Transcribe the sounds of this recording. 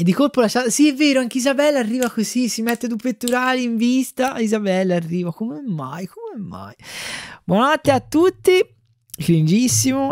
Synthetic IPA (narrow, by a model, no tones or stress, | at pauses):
ed̪ːikolpolaʃːaːt̪osiɛvːeːɾoaŋkeizabɛlːarːiːvakozisimet̪ːed̪upet̪ːuɾaːliiɱvist̪aizabɛlːarːiːvakomemːajkomemːa̰jbwɔnanat̪ːeat̪ːut̪ːi | kɾind͡ʒisːimo